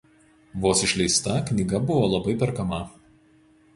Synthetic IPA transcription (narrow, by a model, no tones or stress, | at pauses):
ʋoːsɪʃʲlʲɛɪst̪ɐknʲiɡɐbʊʋoːlˠɐbɐɪpʲɛɾkɐmɐ